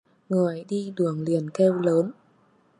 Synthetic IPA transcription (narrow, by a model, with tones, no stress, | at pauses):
ŋɨ˨˩əjɗi˧ɗɨ˨˩əŋli˨˩ənkɛ˧wləː˨˦n